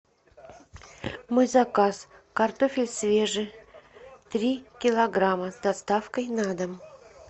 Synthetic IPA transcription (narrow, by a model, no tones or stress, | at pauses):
mɨzakas | kart̪ofʲɪlʲsvʲeʐɨ | t̪ɾʲikʲɪlˠɐɡɾaməzd̪ɐst̪afkəjnad̪əm